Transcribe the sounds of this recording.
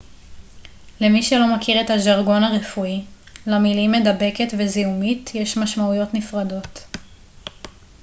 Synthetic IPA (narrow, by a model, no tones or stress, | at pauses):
lemiʃelo̞makiʁethaʒaʁɡo̞naʁefui | lamilimːe̞dabe̞ketveziumitjeʃmaʃmaujo̞tnifʁado̞t